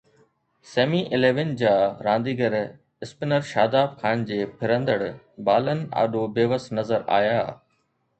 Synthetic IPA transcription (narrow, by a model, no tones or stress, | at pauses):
seːmiʔɪleːʋɪnd͡ʑaːɾãːnd̪iːɡəɾ | ɪspɪnəɾʃaːd̪aːbkʰaːnd͡ʑeːpʰɪɾə̃nd̪əɽ | baːlənɪ̆a̰ːɗobeːʋəsnɐzəɾa̰ːjaː